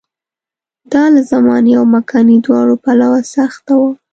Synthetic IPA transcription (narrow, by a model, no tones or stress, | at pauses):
d̪ɑlazamɑnjawmakʰɑnid̪wɑɽopalawasaxt̪awa